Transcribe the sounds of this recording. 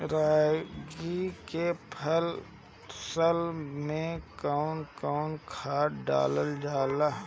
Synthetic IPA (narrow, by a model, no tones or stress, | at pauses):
ɾaːɡikepʰəl | səlmẽkaʊnkaʊnkʰaːɖa̰ːləld͡ʒaːla